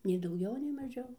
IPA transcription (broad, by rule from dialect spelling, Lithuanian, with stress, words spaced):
nʲɛɪ dɐʊˈɡʲɛʊ nʲɛɪ mɐˈʒʲɛʊ